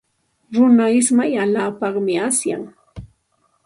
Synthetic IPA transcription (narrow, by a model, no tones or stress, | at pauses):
ɾʊnaɪsmajalaːpɑχmɪasja̰ŋ